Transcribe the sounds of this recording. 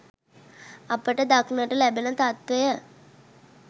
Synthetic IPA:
apəʈəd̪aknəʈəlɛbelət̪at̪ʋejə

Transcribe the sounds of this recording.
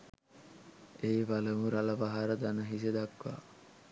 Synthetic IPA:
eːʋaləmuɾalɐʋaɦaɾəd̪anəɦised̪akʋa̰ː

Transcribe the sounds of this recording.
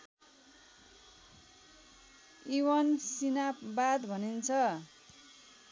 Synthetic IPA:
iwʌnsinabad̪bʱʌnint͡sʰʌ

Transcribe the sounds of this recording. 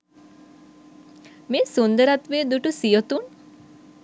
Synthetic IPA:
meːsund̪əɾat̪ʋeːd̪uʈusijot̪un

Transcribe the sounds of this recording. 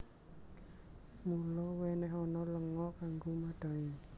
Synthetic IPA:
mulɔwɛnɛɦɔnɔləŋɔʔkaŋɡomaɖ̪̥a̤ɲɛ

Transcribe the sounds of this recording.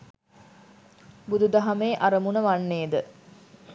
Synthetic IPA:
bud̪ud̪ɐɦɐmeːʔaɾəmunəʋanːeːd̪ə

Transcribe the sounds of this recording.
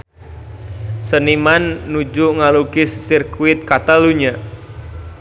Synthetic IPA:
sənimanːud͡ʒuŋalukɪsːirkuɪt̪̚kat̪aluɲa

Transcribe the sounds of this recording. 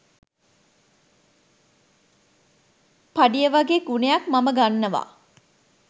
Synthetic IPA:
paɖijəʋaɡeːɡunejakmaməɡanːəʋa̰ː

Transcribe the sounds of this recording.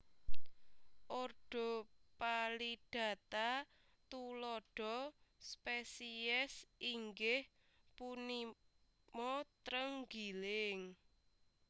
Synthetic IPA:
ʔorɖ̥ɔ̤paliɖ̥ä̤t̪a | t̪ulɔɖ̥ɔ̤spesiɛsiŋɡɪh | puni | mɔt̪ɾəŋɡilɪŋ

